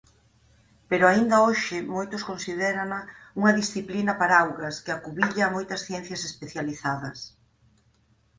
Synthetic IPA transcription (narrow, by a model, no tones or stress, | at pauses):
peɾʊaind̪ɐoʃɪmojt̪ʊskonsiðɛɾɐnɐuŋɐðisθiplinɐpaɾawɣɐskɪakuβiʎaːmojt̪ɐsθjɛn̟θjɐsespeθjaliθaðɐs